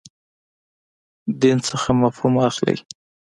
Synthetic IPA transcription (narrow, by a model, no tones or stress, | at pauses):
d̪int͡səxamafhumaxlə̰j